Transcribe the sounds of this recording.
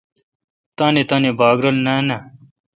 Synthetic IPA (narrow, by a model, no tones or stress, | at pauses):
t̪aːnet̪aːnebaːɡɾɐlnaːna